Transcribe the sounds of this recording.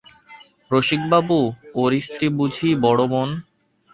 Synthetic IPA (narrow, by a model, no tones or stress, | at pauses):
ɾoʃik̚babuoɾist̪ɾibud͡ʑʱibɔɽomon